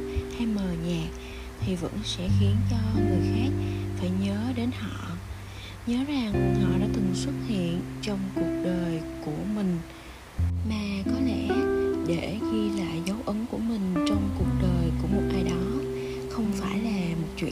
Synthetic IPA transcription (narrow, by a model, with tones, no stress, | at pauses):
ha˧jməː˨˩ɲaː˨˩ | t̪ʰi˨˩və̰˧˥nsɛ̰˧˥xi˨˦ənt͡ɕɔ˧ŋɨ˨˩əjxaː˦˥k̚faː˧˩jɲəː˨˦ɗe˨˦nhɔ̰˧˨ | ɲəː˨˦za˨˩ŋhɔ̰˧˨ɗa̰ː˧˥t̪ɨ˨˩ŋswə˦˥t̚hḭ˧˨ənt͡ɕɔ˧wŋ͡mku˨˩ək̚ɗəː˨˩jku˧˩əmï˨˩ŋ̟ | maː˨˩kɔ˨˦lɛ̰˧˩˨ɗe˧˩xi˧la̰ː˨˧˩jzə˨˦wʔə˨˦ŋku˧˩əmï˨˩ŋ̟t͡ɕɔ˧wŋ͡mku˨˩ək̚ɗəː˨˩jku˧˩əmo˨˩t̚ʔaː˧jɗɔ˨˦ | xə˧wŋ͡mfaː˧˩jlaː˨˩mo˨˩t̚t͡ɕwḭ˧˨